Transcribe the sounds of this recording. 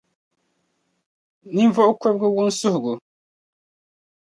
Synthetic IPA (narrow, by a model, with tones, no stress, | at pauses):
ni˦n˦vɔ˦ʔʊ˦kɛ˦b̚ɡɨ˦wʊ˦n˦sʊ˦hʊ˨ɣʊ˨